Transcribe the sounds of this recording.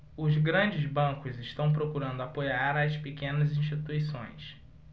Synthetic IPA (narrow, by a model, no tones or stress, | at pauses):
ʊzɡɾɐ̃d͡ʒɪzbɐ̃ŋkʊzɪʃt̪ɐ̃w̃p̬ɾokuɾɐ̃nd̪ʊapojaɾaspekẽnɐzĩʃt͡ʃit̪uisõ̰j̃s